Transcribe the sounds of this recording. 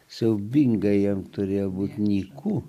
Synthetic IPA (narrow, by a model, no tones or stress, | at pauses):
sɐʊbʲiŋɡɐjɛmt̪ʊɾʲeːjobuːt̪ʲnʲiːkʰu